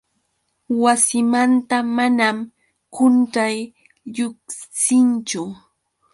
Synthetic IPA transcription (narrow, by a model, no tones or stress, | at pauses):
wasɪmant̪amanam | kʊnʈ͡ʂaj | ʎʊχsɪnt͡ʃʊ